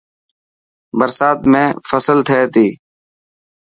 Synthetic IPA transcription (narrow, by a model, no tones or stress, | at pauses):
bəɾsaːt̪̚mẽːfəsəlt̪ʰeːt̪iː